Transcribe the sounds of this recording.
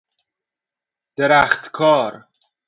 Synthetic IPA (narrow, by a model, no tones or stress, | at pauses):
d̪̥eɾæːxt̪kʰɒːɾ